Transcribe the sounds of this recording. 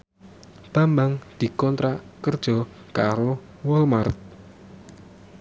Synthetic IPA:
b̥a̤mbaŋd̪̥i̤kɔnt̪ɾakərd̥ʒ̥ɔ̤ | kaɾo | wɔlmart̪̚

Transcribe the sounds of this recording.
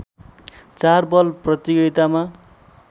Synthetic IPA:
t͡sarbʌlprʌt̪iɡʌt̪ama

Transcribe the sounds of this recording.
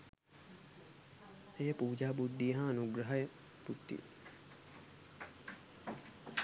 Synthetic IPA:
ejəpuːd͡ʒaːbud̪ʱːijəɦɐɐnuɡɾɐɦɐjə | but̪ːḭ

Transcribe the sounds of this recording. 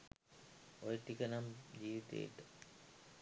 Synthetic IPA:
ojʈikənamd͡ʑiːʋit̪ḛːʈə

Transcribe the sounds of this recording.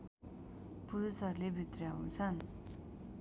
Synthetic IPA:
puɾusʌrlebʱit̪rjaũt͡sʰʌn

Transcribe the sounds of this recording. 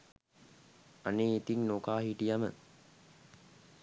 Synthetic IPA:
aneːit̪iŋnokaːɦiʈijamə̰

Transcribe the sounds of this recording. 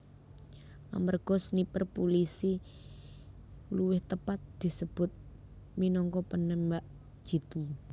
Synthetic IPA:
ʔa̰mərɡ̥ɔ̤snipərpulisi | luwɪht̪əpat̪̚d̪̥i̤səb̥ʊt̪̚ | minɔŋkɔpənɛmbaʔ | d̥ʒ̥i̤t̪u

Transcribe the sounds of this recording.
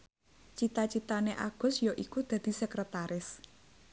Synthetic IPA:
t͡ʃit̪at͡ʃit̪aneʔa̰ɡ̥ɔ̤sjoʔikud̪̥ä̤d̪̥i̤səkɾət̪aɾɪs

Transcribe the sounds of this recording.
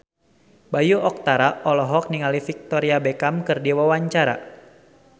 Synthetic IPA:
bajuʔɔk̚t̪aɾaʔɔlɔɦɔk̚niŋalifik̚t̪ɔɾiabekamkɨrdiwawaɲt͡ʃaɾa̰

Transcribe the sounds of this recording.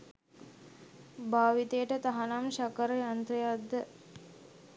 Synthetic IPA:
baːʋit̪ejəʈət̪aɦanamʃakəɾəjant̪ɾejad̪ːə

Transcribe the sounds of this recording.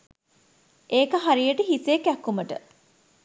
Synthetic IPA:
eːkəɦaɾijəʈəɦiseːkækːuməʈə̰

